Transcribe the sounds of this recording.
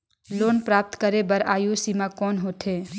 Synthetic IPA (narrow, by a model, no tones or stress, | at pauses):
loːnpɾaːp̚t̪kəɾebəɾaːjusimakɔːnɦoːt̪ʰe